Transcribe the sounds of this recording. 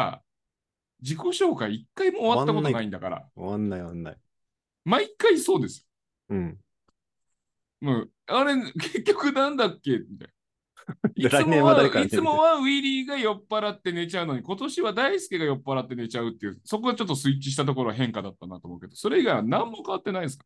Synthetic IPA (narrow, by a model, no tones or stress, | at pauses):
a̰ | d͡ʑiko̞ɕo̞ːkaiːkːaimo̞ːβat̪ːako̞t̪oaĩnd̪akaɾa̰anːaianːa̰i | maikːaiso̞ːd̪e̞sɨjõ | ɯ̟̃ | aɾe̞ke̞kʲːo̞kɯ̟nãnd̪akːe̞mit̪a̰j | iɨẽaait͡sɨmo̞βaɯ̟iɾʲiːɡajo̞pːaɾat̪ːe̞ne̞t͡ɕaɯ̟no̞ɲ̟iko̞t̪o̞ɕiβad̪aisɨ̥kʲiɡajo̞pːaɾat̪ːe̞ne̞t͡ɕaɯ̟t̪ːeɯ̟so̞k̬o̞d̪et͡ɕot̪ːo̞sɨit͡ɕiɕ̬i̥t̪at̪̬o̞k̬o̞ɾo̞aɦẽ̞ŋkad̪at̪ːanat̪o̞ːmo̞ɯ̟ke̞d̪̥o̞so̞ɾe̞iɡaiβanãmːo̞kaβat̪ːe̞naid̪s̬kḁ